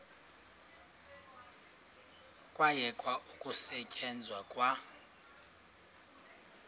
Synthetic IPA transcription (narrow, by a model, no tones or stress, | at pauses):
kʼwajɛkʼwaʔukʼusɛcʼɛnd͡zʱwakʼwa